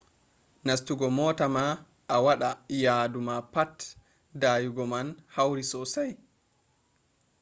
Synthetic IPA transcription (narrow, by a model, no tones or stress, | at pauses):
nastuɡɔmɔːtama | ʔːwaɗajaːdumapat | dajuɡɔmanhawɾisɔsaj